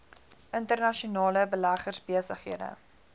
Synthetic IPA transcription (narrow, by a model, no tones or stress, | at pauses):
ʔəntərnɐʃiunɑːləbəlæχərsbiəsəχɦiədə̰